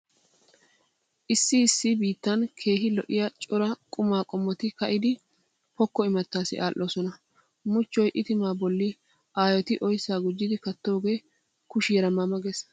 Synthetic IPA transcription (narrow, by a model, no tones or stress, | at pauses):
ʔɪsːɪːsːɪbiːt̪ːɐnkʰe̞ːɦɪlɔ̰ʔɪjɐt͡ʃʼɔɾɐkʼʊmaːkʼɔmːɔt̪ɪkɐʔɪd̪ɪ | pɔkːɔɪmɐt̪ːaːsɪʔaːlʔːoːsɔnɐ | mʊt͡ʃːɔjʔɪt̪ɪmaːbɔlːɪ | ʔaːjɔt̪ɪʔɔjsːaːɡʊd͡ʒːɪd̪ɪkɐt̪ːo̞ːɡe̞ː | kʊʃijɾɐmɐmɐɡɛs